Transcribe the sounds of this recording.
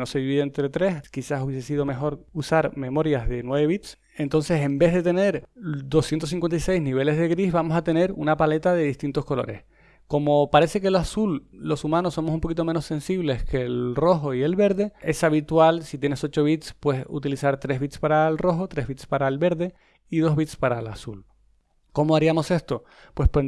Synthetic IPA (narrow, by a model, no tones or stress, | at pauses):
no̞seβiβent̪ɾe̞t̪ɾe̞skisasuβ̞jes̬es̬iðo̞me̞xo̞ɾusaɾme̞mo̞ɾjazðe̞nwe̞βe̞β̞it̪s | e̞nt̪o̞nse̞se̞mbe̞zɦðe̞t̪e̞ne̞ɾd̪o̞sjent̪os̬iŋkwent̪ajse̞jzniβ̞e̞le̞zðe̞ɣɾihβamo̞sat̪e̞ne̞ɾṵnapale̞t̪aðe̞ðist̪int̪o̞sko̞lo̞̰ɾe̞̰s | ko̞mo̞paɾe̞se̞keloasulːo̞sumãnosːo̞mos̬umpo̞kit̪o̞meno̞sẽ̞nsiβle̞ske̞lro̞xo̞ie̞lβe̞ɾðe̞e̞saβit̪walsit̪̬je̞ne̞so̞t͡ʃo̞βit̪spwe̞sṵt̪ilisaɾt̪ɾe̞zβit̪spaɾaelro̞xo̞t̪ɾe̞ɦβit̪spaɾaelβe̞ɾðe̞ | iðo̞ɦβit̪spaɾalasul | ko̞moaɾiamo̞se̞st̪o̞ | pwe̞spe